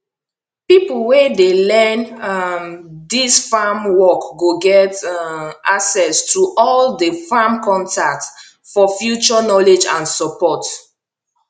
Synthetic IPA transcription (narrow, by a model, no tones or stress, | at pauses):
pipulwedelɛ̃nmdisfamwɔkɡoɡɛt | aksɛstʰuʔɔldəfamkɔ̃ntak̚t | fɔfjut͡ʃɔnɔled͡ʒãnsɔpɔt